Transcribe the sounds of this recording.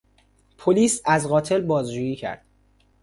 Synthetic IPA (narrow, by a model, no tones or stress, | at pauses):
pʰoliːsæzɣɒːt̪ʰe̞lbɒːzd͡ʒuːjiːcʰæ̰ɾd̪̥